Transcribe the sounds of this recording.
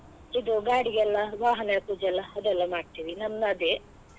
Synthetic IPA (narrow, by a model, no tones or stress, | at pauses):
id̪uɡaːɽiɡɛlːɐʋaːɦɐnɐɐkud͡ʒɛlːɐɐd̪ɛlːɐmaːɖ̚t̪iːʋinɐnːɐd̪e